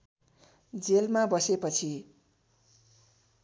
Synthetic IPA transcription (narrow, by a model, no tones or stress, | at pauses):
d͡zelmabʌsepʌt͡sʰi